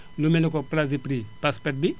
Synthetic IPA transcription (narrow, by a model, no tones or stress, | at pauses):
lumɛlɔk̬ɔplazipɾipaspɛt̚bi